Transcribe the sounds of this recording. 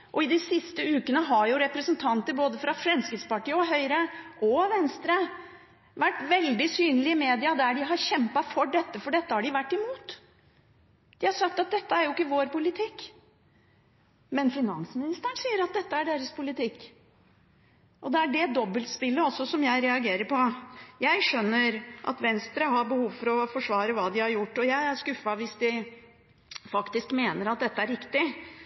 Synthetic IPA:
ʔɔɪd̪ɪsɪst̪əʉːkənəɦɑɾjʊɾɛpɾəsənt̪ʰɑnt̪əboːd̪əfɾɑfɾɛmskɾɪt̪spɑʈiːəɔɦœʏɾəʔɔʋɛnst̪ɾə | ʋæʈːʋɛld̪ɪsyːnəlɪmeːd̪ɪɑd̪æɖɪɦɑɾɕɛmpɑfɔɖɛt̪ːəfɔɖɛt̪ːəhɑɖɪʋæʈːɪmuːt̪ | d̪̥ɪhɑɾʂɑk̚t̪ɑt̪̚d̪ɛt̪ːəæɾjʊɪkːəʋoːɾpʊlɪt̪ʰɪkː | mɛnfɪnɑ̰nsmɪnɪst̪əɳsiːəɾɑt̪̚d̪ɛt̪ːəæɖeːɾəspʰʊlɪt̪ɪkː | ʔɔd̪ɛæɖɛd̪ɔbːəlt̪spɪlːəɔsːɔsɔmjæɪɾɛɑɡeːɾəɾpʰɔjæɪʂœnːəɾʔɑ̰t̪ʋɛnst̪ɾəɦɑɾbəhuːʋfɔɾɔfɔʂʋɑːɾəʋɑːd̪ɪhɑɾjʊʈːɔjæɪæɾʂkʉfɑʋɪsd̪ɪ | fɑkt̪ɪskmeːnəɾɑt̪̚d̪ɛt̪ːəæɾɾɪkt̪ɪ

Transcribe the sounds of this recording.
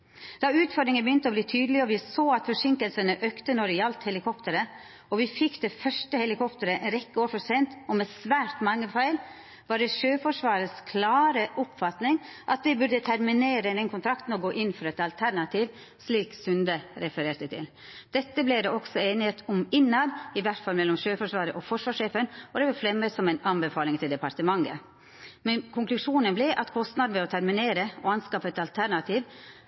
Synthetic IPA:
d̪̥ɑʉːt̪fɔɖɾɪŋənbəjʏnt̪əɔbliːt̪ʰyːd̪əlɪɔʋɪsoːɑt̪fɔʂɪŋkəlsənəʔøːkt̪ənɔɾɪɑlt̪hɛlɪkʰɔpt̪əɾə | ɔʋɪfɪkːd̪̥ɛfœʂʈəhɛlɪkʰɔpt̪əɾəʔɛnɾɛkːəoːɾpʊsɛnt̪ɔmɛsʋæːɾʈ̪mɑŋːəfæɪl | ʋɑːɖɛʃøːfɔʂʋɑːɾəskʰlɑːɾəʔʊpfɑt̪nɪŋʔɑt̪̚d̪ɛbʉɾd̪ət̪ʰæɾmɪneːɾəd̪ɛnkʰʊnt̪ʰɾɑkt̪n̩ɔɡoːʔɪnfɾɑɛt̪ɑlt̪ʰæɾɳɑt̪ʰiːʋ | sliːksʉnd̪əɾɛfəɾeːʈd̪ət̪ʰɪ̰l | d̪̥ɛt̪ːəblɪd̪ɛɔksɔeːnɪheːt̪ʰʊmɪnːɑd̪ɪʋæʈfɑlmɛlːɔmʂøːfɔʂʋɑːɾəʔɔfɔʂʋɑːʂeːfənɔd̪ɛʋɑfɾɛmːəsɔmɛɪnɑnbɛfɑːlɪŋt̪ʰɪld̪ɛpɑɾʈt̪əmɑŋːə̰ | mɛnkʰʊŋklʉʂuːnənblɪʔɑt̪kʰɔst̪nɑd̪n̩ʋɛɔt̪ʰæɾmɪneːɾəɔɑnskɑːpɛt̪ɑlt̪ʰæɾɳɑt̪ʰiːʋ

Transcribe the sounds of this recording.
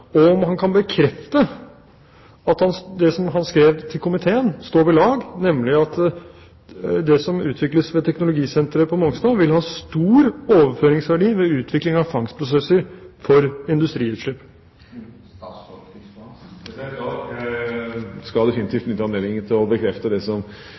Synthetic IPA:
ɔɔmhɑnkʰɑnbəkʰɾɛft̪ə | ɑt̪hɑnd̪ɛsɔmɦɑnskɾeːʋt̪ʰɪlkʊmɪt̪ʰeːənst̪oːɾɪlɑːɡnɛmlɪɑt̪ | d̪ɛsɔmʉːt̪ʰʋɪkləsʋɛt̪ʰɛknʊlʊɡiːsɛnt̪ɾəpʰɔmʊŋst̪ɑːʋɪlhɑːst̪uːɾoːʋəføːɾɪŋsʋæɖiːʋɛʉːt̪ʰʋɪklɪŋɑʋfɑŋspʰɾʊs̬ɛsːəɾfɔɾɪnd̪ʉst̪ɾiːʉːt̪ʂʏp | skɑld̪ɛfɪnɪt̪iːft̪nʏt̪ːəɑneːd̪ɪŋət̪ʰɪlɔbəkʰɾɛft̪əd̪ɛsɔm

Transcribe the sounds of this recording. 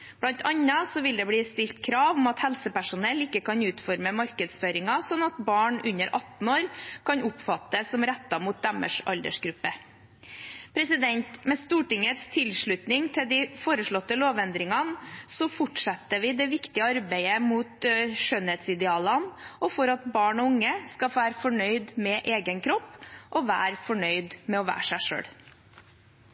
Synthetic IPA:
b̥lɑnt̪ʰɑɲːɑsɔʋɪld̪ɛbliːst̪ɪlt̪kʰɾɑːʋɔmɑt̪hɛlsəpæʂʊnɛlɪkːəkɑnʉːt̪fɔɾməmɑɾkəd̪sføːɾɪŋɑsɔnɑt̪bɑːɳʉnːəɾʔɑt̪n̩oːɾkʰɑnʊpfɑt̪ːəsɔmɾɛt̪ːɑmuːt̪̚d̪ɑmə̰ʂɑ̰ld̪ə̰ʂɡɾʉpːə | pʰɾɛsɪd̪ɛnt̪mɛst̪uːʈɪŋət̪st̪ʰɪlʂɭʉt̪nɪŋt̪ʰɪld̪ɪfoːɾəʂɭɔt̪ːəloːʋɛnd̪ɾɪŋɑnsɔfʊʈʂɛt̪ːəʋɪd̪ɛʋɪkt̪ɪəɑɾbæɪəmuːt̪ʃœnheːt̪sɪd̪ɛɑːlɑnɔfɔɾɑt̪bɑːɳɔʊŋːəskɑfæːɾfɔɳœʏd̪mɛʔeːɡənkʰɾɔpːʔɔʋæ̰ːɾfɔɳœʏd̪mɛɔʋæ̰ːʂæɪʂø̰ːɽ

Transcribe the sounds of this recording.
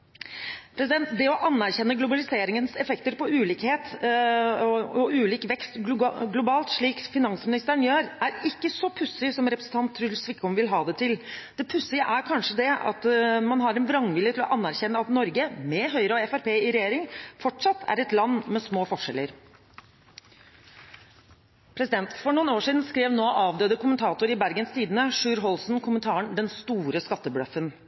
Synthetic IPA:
pʰɾɛs̬ɪd̪ɛnt̪d̪ɛɔʔɑnːæɾçɛnːəɡlʊbɑlɪseːɾɪŋənsɛfɛkt̪əɾpɔʉːliːkheːt̪ | ɔʉːliːkʋɛkst̪ɡɡlʊbɑːlt̪ʂɭiːkfɪnɑnsmɪnɪst̪əɳjøːɾæɾɪkːəsɔpʰʉsɪsɔmɾɛpɾəsn̩t̪ʰɑnt̪ʰːɾʉlsʋɪkːɔmʋɪlɦɑːd̪ɛt̪ʰɪld̪̥ɛpʰʉsɪʔæɾkʰɑnʂəd̪ɛɑ̰t̪mɑnɦɑɾɛnʋɾɑŋʋɪljət̪ʰɪlɔ̰ʔɑnːæɾçɛnːəɑt̪nɔɾɡəmɛɦœʏɾɔɛfæɾpeːɪɾɛjeːɾɪŋfɔʈʂɑt̪ʰːæ̰ɾɛt̪lɑnːmɛsmoːfɔʂɛ̰lːəɾ | pʰɾɛsɪd̪ɛnt̪fɔɳuːnoːʂiːd̪n̩skɾeːʋnoːʔɑːʋd̪øːd̪əkʰʊmənt̪ʰɑːt̪ʊɾɪbæɾɡənst̪ʰiːd̪ənəʂʉːɾɦɔlsn̩kʰʊmənt̪ʰɑːəɳd̪ɛnst̪uːɾəskɑt̪ːəbɽœfən

